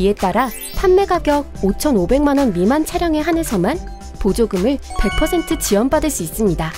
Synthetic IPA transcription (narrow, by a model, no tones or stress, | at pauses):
ie̞t͈aɾa | pʰanme̞ɡaɡjʌɡ̚ot͡ɕʰʌnobe̞ŋmanwʌnmimant͡ɕʰaɾjʌŋe̞ɦanesʰʌman | pod͡ʑoɡɯmɯɭpe̞k̚pʰʌsʰe̞ntʰɯt͡ɕiʌnpadɯɭs͈uis͈ɯmɲida